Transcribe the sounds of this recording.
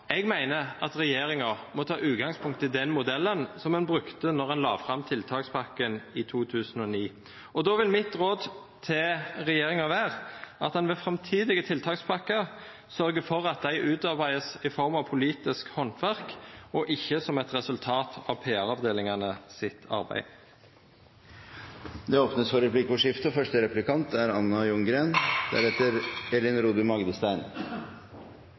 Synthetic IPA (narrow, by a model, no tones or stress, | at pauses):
ɛɡmæɪnəʔɑt̪ʁɛjeːɾɪŋɑmɔt̪ʰɑːʔʉːt̪ɡɑŋspʰʊŋkt̪ːɪld̪ɛnmʊd̪ɛlːənsɔmɛnbɾʉkt̪ənɔʁɛnlɑːʋfʁɑmt̪ʰɪlt̪ʰɑːkspʰɑkːənɪt̪ʰuːt̪ʰʉːsənɔniː | ɔd̪oʋɪlmɪt̪ʁoːd̪ | t̪ʰɪʁɛjeːɾɪŋɑʋæːʁʔɑt̪̚ɛnʋɛfʁɛmt̪ʰiːd̪ɪɡət̪ʰɪlt̪ʰɑːkspʰɑkːə | sœɾɡəfɔʁɑt̪̚d̪æɪʔʉːt̪ɑʁbæɪəsɪfɔʁmɑʋpʰʊliːt̪ɪskhɔnt̪ʰʋæʁkɔʔɪçːəsɔmɛt̪ʁɛsʉlt̪ʰɑːt̪ʰɑʋpʰeːæʁɑʋd̪eːlɪŋɑnəsɪt̪ʰɑ̰ʁbæ̰ɪ | d̪ɛoːpnəsfɔɾɛplɪkɔʂɪft̪ʊfœʂʈəɾɛplɪkɑnt̪ʰæɾɑnːɑjʉŋɡɾeːnd̪̥æ̰ɾɛt̪əɾɛlɪnɾuːd̪ʉmɑɡd̪əst̪æɪn